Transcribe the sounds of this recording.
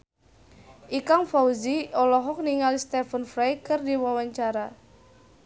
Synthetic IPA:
ʔikaŋfauziɔlɔɦɔk̚niŋalist̪ɛfənfɾajkɨrdiwawaɲt͡ʃaɾa

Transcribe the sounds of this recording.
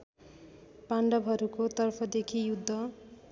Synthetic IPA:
paɳɖʌbʱɦʌɾukot̪ʌrpʰʌd̪ekʰijud̪ʱːʌ

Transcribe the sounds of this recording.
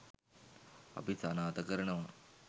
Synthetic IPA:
ɐ̰pisanaːt̪ɐkɐɾɐɳɐʋɐ

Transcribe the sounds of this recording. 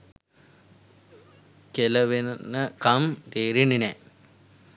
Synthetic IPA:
kelɐʋennɐkɐmɾeːɾinine

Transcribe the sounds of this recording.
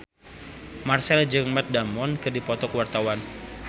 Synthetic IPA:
marsɛld͡ʒəmat̪̚damɔnkɨrdipɔt̪ɔkwart̪awan

